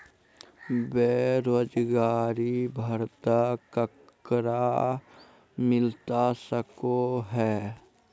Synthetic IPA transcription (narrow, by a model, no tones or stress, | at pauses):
beːɾoːd͡ʒɡaːɾibʱəɾt̪akək | ɾa | mɪlt̪asəkoɦɛː